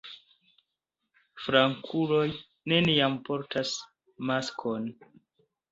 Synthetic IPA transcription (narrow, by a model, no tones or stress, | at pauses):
fɾaŋkʰulo̞j | ne̞niampo̞ɾtʰas | maskʰon